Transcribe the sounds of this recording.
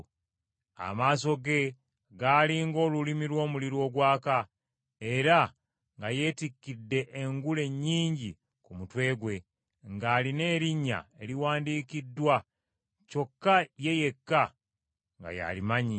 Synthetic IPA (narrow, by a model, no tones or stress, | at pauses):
a̰maːs̬o̞ɡe̞ | ɡaːliŋɡo̞ːlulimilwo̞ːmuliɾwo̞ːɡwaːka | e̞ɾa | ŋɡaje̞ːtikːidːe̞ʔːŋɡule̞ɲːiːɲɟi | kumutwe̞ːɡwe̞ | ŋɡaːline̞ːɾiɲːa̰e̞liwaːndiːkidːwa | co̞kːaje̞je̞kːa | ŋɡa̰ja̰limaɲi